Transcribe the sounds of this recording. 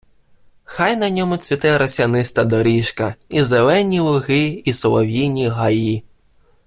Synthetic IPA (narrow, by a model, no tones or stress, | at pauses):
xɑjnɐnʲɔmʊt͡sʲʋʲit̪ɛɾɐsʲɐnɪst̪ɐd̪ɔɾʲiʃkɐizelˠɛnʲilˠʊɦɪisɔlˠɔʋʲinʲiɦɐji